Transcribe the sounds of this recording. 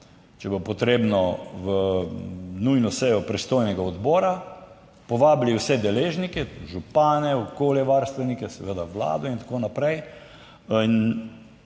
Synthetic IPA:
t͡ʃɛbopɔt̪ɾeːbnɔʋə | nujnɔsɛjɔpɾɛst̪ojnɛɡaɔd̪bɔːɾa | pɔʋaːbliwsɛd̪ɛleːʒnikɛʒupaːnɛɔkoːljɛʋaɾst̪ʋɛnikɛsɛʋed̪aʋla̰ːd̪ɔint̪ḁkoːnapɾɛj | in

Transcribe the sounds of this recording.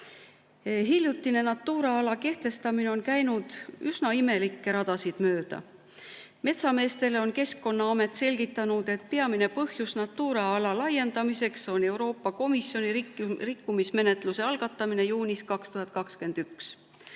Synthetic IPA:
ɦilʲjut̪ːˑine̞nɑt̪ːuːɾeɑlɑke̞ht̪e̞st̪ɑmineo̞nkæjnud̪̥ysnɑime̞likːe̞ɾɑd̪̥ɑsid̪̥møːd̪̥ɑ̰ | me̞t̪sɑme̞ːst̪e̞leo̞nke̞skːo̞nːɑɑme̞t̪ːˑse̞lʲɡ̥it̪ːˑɑnud̪̥e̞t̪̚pe̞ɑmine̞pɤhjusnɑt̪ːuːɾeɑlɑlɑje̞nd̪̥ɑmise̞kso̞ne̞wɾo̞ːpːɑko̞misjo̞niirikːumisme̞ne̞t̪ˑluse̞ɑlɡ̥ɑt̪ːˑɑmine̞juːniskɑkst̪uɦɑt̪̚ˑkɑkske̞nd̪̥yks

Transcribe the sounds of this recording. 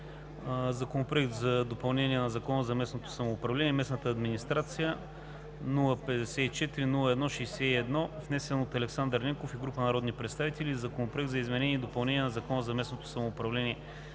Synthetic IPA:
zɐkonopɾoɛkt̪zɐd̪opɐlˠnɛnʲiɛnɐzɐkɔnəzɐmɛsnot̪o̥sɐmoːpɾɐvlɛnʲiɛmɛsnət̪əːd̪minist̪ɾat̪sijə | nulˠəpɛd̪ɛsɛit͡ʃɛt̪iɾinulˠəɛd̪nɔʃɛsɛiɛd̪nɔvnɛsɛnot̪ɐlɛksand̪əɾnʲɛŋkofiɡɾupənɐɾɔd̪nipɾɛt̪st̪avit̪ɛlʲizɐkonopɾoɛk̚t̪zɐizmɛnɛnʲiɛːd̪opɐlˠnɛniɛnɐzɐkɔnəzɐmɛsnot̪o̥sɐmoːpɾɐvlɛnʲiɛ

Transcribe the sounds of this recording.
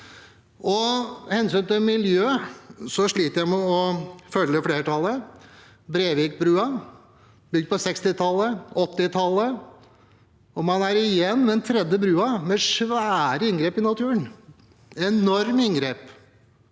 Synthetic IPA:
ʔɔhɛnsyːnt̪ɪlmɪljøːsɔʂɭiːt̪əɾjæɪmɛɔfœlːəfɽeːɾəʈʰɑlːə | bɾeːʋɪːk̚bɾʉːɑ | bʏɡ̚d̪pʰɔsɛkst̪ɪt̪ʰɑlːəɔt̪ːɪt̪ʰɑlːə | ɔmɑnæɾɪjɛnːmɛɛnt̪ʰɾɛd̪əbɾʉːɑmɛʂʋæːɾəɪŋɡɾeːpɪnɑt̪ʰʉːən | ɛnɔɾmɪŋɡɾeːp

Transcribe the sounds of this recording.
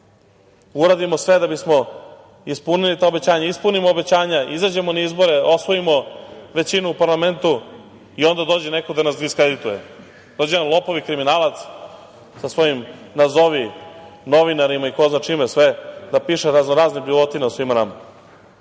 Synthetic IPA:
uɾad̪imo̞sʋe̞d̪abismo̞ | ispunilit̪aobe̞t͡ɕaːɲaispunimoːbe̞t͡ɕaːɲaizad͡ʑemonaizbo̞ɾe̞o̞sʋo̞imoʋe̞t͡ɕinuːpaɾlˠame̞nt̪u | io̞nd̪ad̪o̞ːd͡ʑenekod̪anasd̪iskɾed̪it̪uje | d̪od͡ʑenanlˠo̞poʋikɾiminaːlat̪s | sasʋo̞jimnazoʋino̞ʋinaɾimaiko̞znat͡ʃimesʋed̪apiːʃeɾaznoɾaːznibiʋot̪inausʋimanama

